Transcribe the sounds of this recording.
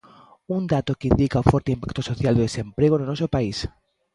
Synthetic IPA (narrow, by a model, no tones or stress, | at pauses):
und̪at̪okeind̪ikaũfoɾt̪eimpakt̪osoθjald̪eðesẽ̞mpɾeɣononosopais